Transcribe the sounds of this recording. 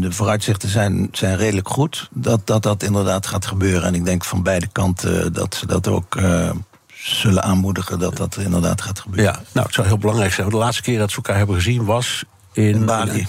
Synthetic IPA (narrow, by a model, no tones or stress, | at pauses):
dəvoːrœɥtsɪχtəzɛjnz̥ɛjnreːdələkχutdɑt̚dɑt̚dɑtɪndəɹdaːtχaːtχəbøːrəɛnɪɡ̚dɛŋkfɑnbɛjdəkɑntʰə̰dɑ̰tsədɑto̰wk | z̥ɵlənʔaːnmudəχəndɑtdɑtɪndəɹda̰ːtχaːtχəbøno̰wətsɔwɦɪːlˠbəlɑŋrɛjksɛjnʋɑndəlaːtstəkɪːɹdɑtsəlkaːɹɦɛbəχəzinʋɑs | ɪnbaːliə